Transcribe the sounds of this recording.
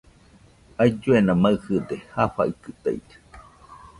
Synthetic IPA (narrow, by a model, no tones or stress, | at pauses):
ajd͡ʒuenamaɨhɨd̪ehaɸa̰ikɨt̪a̰ḭd͡ʒḁ